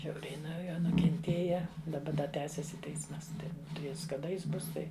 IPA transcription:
ˈʒʲɛʊrʲɛɪ nuɔ ˈjoː nʊkʲɛnʲˈtʲeːjɛ ɪ dɐˈbɐ dɐ ˈtʲæːsʲɛsʲɪ ˈtʲɛɪsmɐs ˈtɐɪ ˈjɪs kɐˈdɐ ˈɪs ˈbʊs ˈtɐɪ

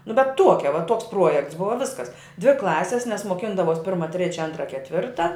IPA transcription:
nʊ bʲɛt ˈtuɔkʲɛ ʋɐ ˈtuɔks ˈpruɔjɛkts ˈbʊʋɐ ˈʋʲɪskɐs dʲʋʲɪ ˈklˠɑːsʲɪs nʲɛs moːˈkʲɪndɐʋoːs ˈpʲɪrmɐ ˈtʲrʲeːt͡ʃʲɛ ˈɐntrɐ kʲɛtʲˈʋʲɪrtɐ

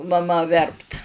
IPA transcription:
mɐˈmɐ ˈʋʲɛrpt

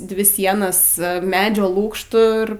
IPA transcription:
ˈdʲʋʲɪ ˈsʲiɛnɐs ˈmʲæːd͡ʒʲoː ˈlˠuːkʃtʊ ɪr

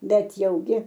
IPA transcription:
ˈbʲɛt jɛʊˈɡʲɪ

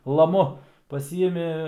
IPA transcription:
lˠɐˈmʊ pɐˈsʲiːɪmʲɪ

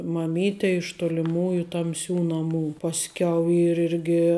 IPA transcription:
mɐˈmʲiːtʲeː ɪʃ toːlʲɪˈmuːjʊ tɐmʲˈsʲuː nɐˈmuː pɐsʲˈkʲɛʊ ˈiːr ˈɪrʲɡʲɪ

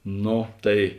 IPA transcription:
ˈnoː ˈtɐɪ

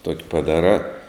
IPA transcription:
toːkʲ pɐˈdɑːrɑː

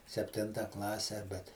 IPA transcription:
sʲɛpʲˈtʲɪntɐ ˈklˠɑːsʲɛ bʲɛt

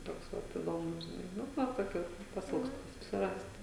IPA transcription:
ˈtoːks ˈʋɐt ɪˈdoːmʊs ʒʲɪˈnɐɪ ˈnʊ ˈʋɐ toːˈkʲuː pɐsʲɪˈɪlˠkstʊ sʊsʲɪˈrɐst

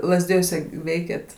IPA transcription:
lˠɐzʲˈdʲɪjuɔsʲɛ ˈʋʲɛɪkʲeːt

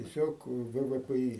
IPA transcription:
tʲiɛ sʲoːk ˈʋɘ ˈʋɘ ˈpɘ ˈiː

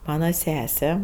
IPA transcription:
ˈmɑːnɐ ˈsʲæːsʲɛ

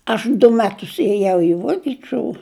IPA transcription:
ˈɐʃ dʊ ˈmʲæːtʊs eːˈjɛʊ ɪ ˈʋuɔkʲɪˈt͡ʃʲʊ

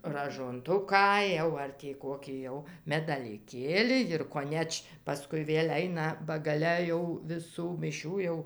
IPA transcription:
rɐʒoːnˈtʊkɑː jɛʊ ˈɐr tʲiː ˈkoːkʲiː jɛʊ mʲɛdɐlʲɪˈkʲeːlʲɪ jɪr koːˈnʲɛt͡ʃ pɐˈskʊɪ ˈʋʲeːlʲ ˈɐɪnɐ bɐ ɡɐˈlʲɛ jɛʊ ʋʲɪˈsuː mʲɪˈʃʲuː jɛʊ

